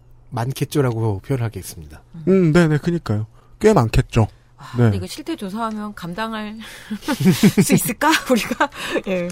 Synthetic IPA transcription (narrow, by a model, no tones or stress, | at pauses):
mankʰet̚t͡ɕ͈oɾaɡoopʰjʌnɯɭɦaɡeis͈ɯmɲidaɯmne̞ne̞kɯɲik͈ajo | k͈oemankʰe̞t̚t͡ɕ͈o | ane̞iɡeɕʰiɭtʰe̞t͡ɕos̬ʰaɦamjʌnkamdaŋaɭ | s͈ɯis͈ɯɭk͈auɾiɡaje̞